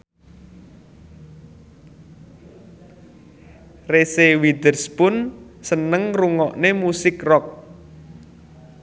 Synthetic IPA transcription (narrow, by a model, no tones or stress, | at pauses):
resewid̪ərspʊnsənəŋruŋɔʔnemusɪkrɔk̚